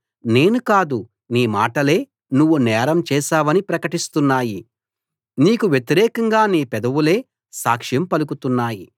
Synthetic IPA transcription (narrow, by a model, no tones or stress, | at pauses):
ne̞ːnukaːd̪u | niːma̰ːʈɐle̞ː | nuʋːunɛːɾɐmt͡ʃɛːʃaːʋɐnipɾɐkɐʈist̪unːaːji | niːkuʋjet̪iɾɛːkɐŋɡaːniːpɛd̪ɐʋule̞ː | saːkʂjɐmpɐlukut̪unːaːji